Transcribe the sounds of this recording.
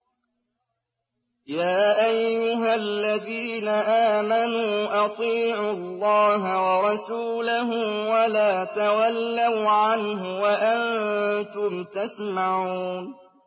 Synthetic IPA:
jaːʔajːʊɦalːaðiːnaʔaːmanuːʔɑt̪ˤiːʕʊlˤːɑːɦawɑɾˤɑsuːlaɦʊwalaːt̪awalːawʕanɦʊwaʔant̪ʊmt̪asmaʕuːn

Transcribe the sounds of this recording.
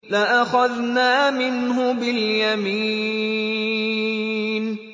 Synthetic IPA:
lɪʔaxaðnaːmɪnɦʊbɪljamiː | n

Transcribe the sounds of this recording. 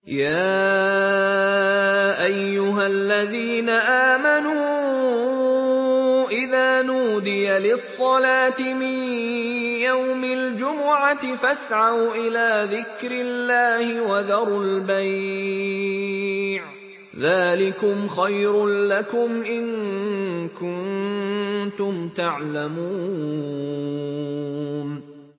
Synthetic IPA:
jaː | ʔajːʊɦalːaðiːnaʔaːmanuː | ʔɪðaːnuːd̪ɪjalɪsˤːɑlaːt̪ɪmɪn | jawmɪld͡ʒʊmʊʕatɪfasʕawʔɪlaːðɪkɾɪlːaːhɪwaðɑɾˤalbaj | ʕ | ðaːlɪkʊmxajɾʊlakʊmʔɪŋ | kʊnn | t̪ʊmt̪aʕlamuː | n

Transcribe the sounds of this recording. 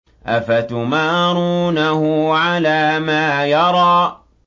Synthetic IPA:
ʔafat̪ʊmaːɾuːnahʊʕalaːmaːjɑɾˤɑː

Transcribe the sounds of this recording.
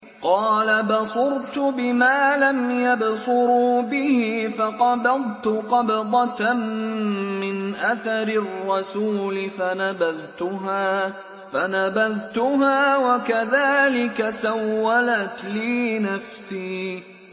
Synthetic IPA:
qɑːlabɑsˤʊɾt̪ʊbɪmaːlamjabsʊɾuːbɪhɪfɑqɑbɑðˤt̪ʊqɑbd̪ˤɑt | mɪnʔaθaɾɪrˤːɑsuːlɪfanabaðt̪ʊɦaː | fanabaðt̪ʊɦaːwakaðaːlɪkasawːalat̪liːnafsiː

